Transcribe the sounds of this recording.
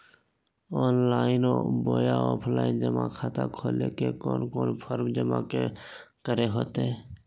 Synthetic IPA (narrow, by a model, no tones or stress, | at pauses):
ɔːnlaːɪnoboːjaɔːpʰlaːɪnd͡ʒəmakʰaːt̪akʰoːlekekoːnkoːnpʰəɾmd͡ʒəmakekəɾeɦoːt̪eɛ